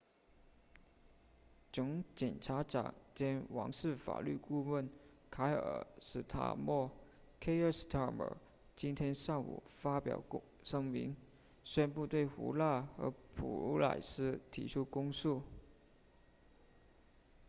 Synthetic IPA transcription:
ʈ͡ʂʊ˧˥ŋt͡ɕjɛ˨˩nʈ͡ʂʰa˧˥ʈ͡ʂɑ̰˨˩˦ŋt͡ɕjɛ˥nwɑ̰˧˥ŋʂɻ̩˥˩fa̰˨˩ly˥˧ku˥˧wə˥˩n | kʰa˧˥ɪə̰˨˩ʂɻ̩˥˩t̪ʰa̰˥˩mɔ˥˩ | kʰe˥ɪə˥˩st̪ʰa˥˩mə̰˨˩ | t͡ɕi˥nt̪ʰjɛ˥nʂa˥˩ŋṵ˨˩fa˥pjɑ̰˨˩ʊ | ʂɤ˥ŋmḭ˧˥n | ɕɥɛ˥˧npu˥˧t̪we˥˩ɪxṵ˧˥la˥˩xɤ̰˧˥pʰṵ˨˩˧la̰˨˩ɪsɹ̩˥t̪ʰi˧˥ʈ͡ʂʰu˥kʊ˥ŋsu˥˩

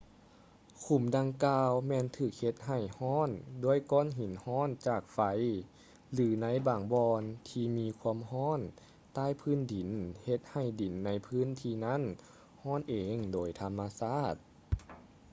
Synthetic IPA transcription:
kʰu˧˩mda˧ŋkaː˧wmɛː˧˨nt̪ʰɯː˧˩k̚he˧t̪̚ɦa˨˩jhɔː˧˥˨ndoː˧˩əjkɔː˧˥˨nɦi˨˦nhɔː˧˥˨nt͡ɕaː˨˩k̚fa˧˥j | lɯː˨˦na˧˥˨jbaː˨˩ŋbɔː˧nt̪ʰiː˧miː˧kʰu˧əmɦɔː˧˥˨n | t̪aː˧˥˩jpʰɯː˧˥˨ndi˨˦nhe˧˦t̪̚ha˧˩jdi˨˩˦nːa˧˥jpʰɯː˧˥˨nt̪ʰiː˧na˦˧˥n | hɔː˧˥˩nʔeː˨ŋdoː˨˦jt̪ʰa˧mːa˧saː˧˥˩t̪̚

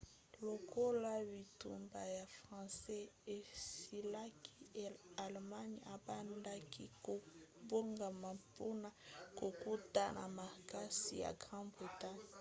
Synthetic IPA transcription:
lo˨ko˦la˦bi˨tṵ˨mba˨ja˨fʁɑ̃˨sɛ˦e˨si˦la˦kʰi˦˨a˨lma˦ɲ˦a˨ba˦nda˦kʰi˦ko˨bo˦ŋɡa˨ma˨po˦na˨ko˨ku˦ta˦˨na̰˨ma˨ka˦si˨ja̰˨ɡʁɑ̃˦bo˨ta˦˨

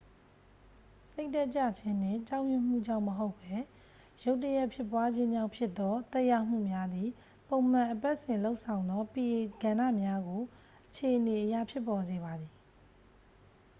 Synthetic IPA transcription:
se˦ɪʔtɛ˦ʔt͡ɕa̰˦˨t͡ɕʰɪ̃˦n̥ɪ̰̃˦˨t͡ɕã˦ʊʔjʊ˦˨m̥ṵ˦˨d͡ʑã̰˦˨ʊ̃məɦo˦ʊpːɛ˦ | jo˦ʊtːə˦jɛ˦ʔpʰjɪ˦˨pːwa˦d͡ʑɪ̃˦d͡ʑã˦˨ʊ̃mpʰjɪ˦t̪ːɔ˦t̪ɛ˦ʔjã˦˨m̥ṵ˦˨mja˦d̪ði˨ | põ˨ʊ̃m̥ã˨ʔəpa˦ʔsɪ̃˨lo˦ʊʔsʰã˨ʊ̃nd̪ɔ˦pi˨ʔe˨ɡ̥ã˨nä̰˦˨mja˦ɡo˨ | ʔət͡ɕʰe˨ʔəne˨ʔəja̰˦˨pʰjɪ˦pːɔ˨ze˨βa˨d̪ði˨

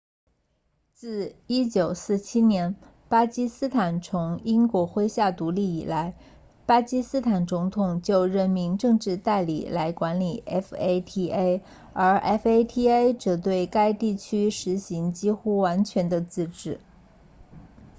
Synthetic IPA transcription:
t͡sɹ̩˥˩i˥t͡ɕjo˨˩ʊsɹ̩˥˩t͡ɕʰi˥njɛ˧˥n | pa˥t͡ɕi˥sɹ̩˥t̪ʰa˨˩nt͡sʰʊ˧˥ŋi˥nkwɔ˧˥xwe˥ɪɕja˥˩t̪u˧˥li˥˩i˨˩la˧˥ɪ | pa˥t͡ɕi˥sɹ̩˥t̪ʰa˨˩nt͡sʊ˧˥ŋt̪ʰʊ˨˩ŋt͡ɕjo˥˧ʊɻə˥˩nmi˧˥nʈ͡ʂɤ˥˧ŋʈ͡ʂɻ̩˥˧t̪a˥˩ɪlḭ˨˩la˧˥ɪkwa˧˥nli˨˩ɛ˥fe˥ɪt̪ʰi˥ʔe˥ɪ | ə˞˧˥ʔɛ˥fe˥ɪt̪ʰi˥e˥ɪʈ͡ʂɤ˨˩t̪we˥˩ɪka˥ɪt̪i˥˩t͡ɕʰy˥ʂɻ̩˧˥ɕi˧˥ŋt͡ɕi˥xu˥wa˧˥nt͡ɕʰɥɛ˧˥nd̪ə˧t͡sɹ̩˥˧ʈ͡ʂɻ̩˥˩

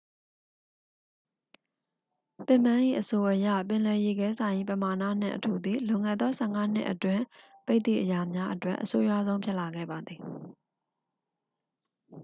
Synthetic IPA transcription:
pɪ̃˦˨m̥ã˦ʔḭ˦˨ʔəso˨ʔəjä̰˦˨pɪ̃˨lɛ˨je˨ɡɛ˦sã˨ɪ̃ʔi˦˨pəma˨na̰˦˨n̥ɪ̰̃˦˨ʔətʰu˨d̪i˨lõ˨ŋɛ̰˦˨d̪ðɔ˦sʰɛ˦˨ŋa˦n̥ɪ̰˦ʔətwɪ̃˦˨pe˦ɪt̪ðḭ˦˨ʔə˨ja˨mja˦ʔətwɛ̰˦ʔəso˦ja˦˨zõ˦ʊ̃mpʰjɪ˦ʔla˨ɡɛ̰˦˨ba˨d̪ði˨

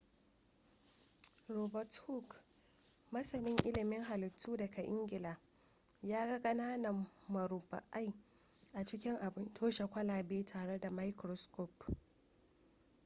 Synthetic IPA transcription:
ɾɔː˨bɐ˨thu˦k | mɐ˦sɐ˨mɪ˦ŋʔɪ˦lɪ˨mɪ˦ŋɦa˨lɪ˨tʰːuː˦dɐ˨kʰa˨ʔɪ̰˦ŋɡʲɪ˨laː˨ | jaː˦ɡɐ˦ɡɐ˦naː˦nɐ˨mːɐ˨ɾʊ˨ba̰˨ʔa˦j | ʔa˨t͡ʃɪ˦kʲɪ˦ŋʔa˨bɪ˦ntʰoː˦ʃa˨kʷɐ˦laː˨beː˦tʰaː˨ɽe˦da˨ma˦jkɾɔ˦˨skɔ˦˨p

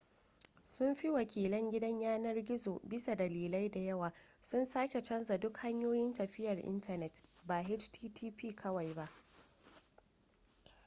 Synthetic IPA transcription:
sʊ˦mɸi˦wɐ˨kʲʰiː˨lɐ˦ŋɡʲɪ˦dɐ˦ɲjaː˦nɐ˦rɡʲɪ˦zoː˨bɪ˦sa˨dɐ˨liː˨la˦jda˨jɐ˦waː˨sʊ˦nsaː˦kʲe˨t͡ʃɐ˦nza˨dʊ˦kha˦ɲjoː˦jɪ˦ntɐ˨ɸɪ˦jɐ˨rʔɪ̰˦ntɐ˨nɛ˨tba˨ɦe˦t͡ʃtʰiː˦tʰiː˦piː˦kʰɐ˦wa˨jba˦ʔ

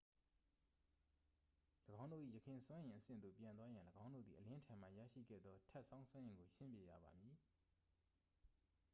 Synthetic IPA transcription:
ləɡã˦ʊ̃ndo̰˦˨ʔḭ˦˨jə˨kʰɪ̃˨swã˦jɪ̃˨ʔəsɪ̰̃˦˨nd̪ðo˨pjã˨wa˦jã˨ləɡã˦ʊ̃ndo̰˦˨d̪ði˨ʔəlɪ̃˦ʔətʰã˨ma˨jä̰˦˨ʃḭ˦˨ɡɛ̰˦˨d̪ðɔ˦tʰɛ˦ʔsã˦ʊ̃swɛ̃˦jɪ̃˨ŋɡo˨ʃɪ̃˦mpje˨jä̰˦˨ba˨mji˨

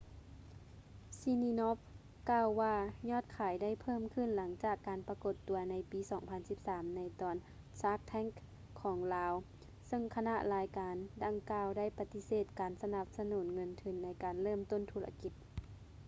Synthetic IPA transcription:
si˧niː˧no˦˥p̚ | kaː˧˨wːaː˧ɲɔː˧˥˩t̪̚kʰaː˨˩˦jda˥˩˨jpʰɤː˥˨mkʰɯ˧˥˨nla˩˦ŋt͡ɕaː˨˩kːaː˨npa˧ko˧˩t̪ːu˨˩˦ɐna˧˥jpiː˨˦sɔː˨˩˦ŋpʰa˧˥nsi˧˦p̚saː˨˦mna˧jt̪ɔː˨˩n | saː˦˥k̚t̪ʰɛ˧˥˨ŋkʰː | ɔː˩˦ŋlaː˧˥w | sɤ˧˨ŋkʰa˧na˧ʔlaː˨˧˦jkaː˨˦nda˨˩ŋkaː˧wda˥˩jpa˧t̪i˧seː˨˩t̪̚kaː˨˩nsa˧na˧p̚sa˧nuː˩˦nŋɤ˧˥nt̪ʰɯ˧˩nːa˧˥jkaː˨˩nlɤː˥˨mt̪o˥˨nt̪ʰuː˧˩la̰˧ki˧t̪̚

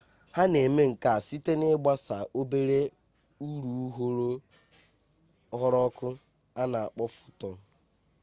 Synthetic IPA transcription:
ha˦ne˨me˦ŋ̩˨ka˨a˨si˦te˦nɪ˦ɡ͡ba˦sa˨ʔo˦be˦ɾe˦ | u˦ɾu˨u˦ɦo˦ɾo˦ | ɦɔ˦ɾɔ˦kʊ˦ | a˦na˨a˨k͡pɔ˦fʊ̥˦tɔ˨

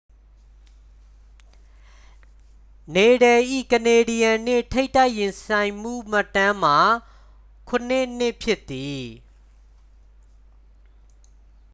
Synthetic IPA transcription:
ne˨ɾɛ˨ʔḭ˦˨kə˨ne˨di˨jã˨n̥ɪ˦˨tʰe˦ɪ̃tːa˦ɪʔjɪ̃˨nsã˨ɪ̃m̥ṵ˦˨m̥a˦˨tːã˦m̥a˨ | kʰʊ̃˨n̥ɪ˦n̥ɪ˦˨ʔpʰjɪ˦t̪ːi˨

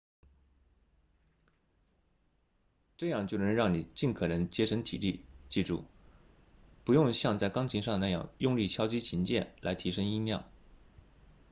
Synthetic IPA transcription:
ʈ͡ʂɤ˥˧jɑ˥˧ŋt͡ɕjo˥˩ʊnə˧˥ŋɻɑ˥˩ŋni˨˩t͡ɕi˥˩nkʰɤ˨˩nə˧˥ŋt͡ɕjɛ˥ʂɤ˥ŋt̪ʰi˨˩li˥˩t͡ɕi˥˩ʈ͡ʂṵ˥˩ | pu˧˥jʊ˥˧ŋɕjɑ˥˧ŋt͡sa˥˩ɪkɑ˥ŋt͡ɕʰi˧˥ŋʂɑ˥˧ŋə˩a˥˧jɑ̰˥˩ŋjʊ˥˧ŋli˥˩t͡ɕʰjɑ˥ʊt͡ɕi˥t͡ɕʰi˧˥nt͡ɕjɛ̰˥˩nla˧˥ɪt̪ʰi˧˥ʂɤ˥ŋi˥mjɑ˥˩ʊ

